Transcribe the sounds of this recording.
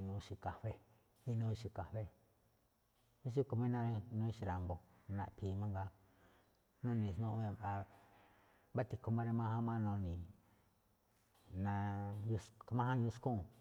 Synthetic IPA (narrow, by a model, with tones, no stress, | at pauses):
nũ˧ʃi˧ka˨ɸe˦ | mĩ˦nũ˦˧ʃi˧ka˨ɸe˦ | mĩ˦s̬u˦ko˧mĩ˦nã˦˧nõ˦i˧ʃi˧ɾa˨mbo˨˧ | nã̰˧˨pʰi˨˧mã˦ŋɡa˦ | nõ˦nĩ˧˨snũ˦ʔe˧a˧ | βa˦t̪i˧ko˧mã˦ɾe˧mã˧hã˦mã˦nõ˧nĩ˨ | nã˧ju˧ska˧mã˦hã˦ju˧skũ˦˨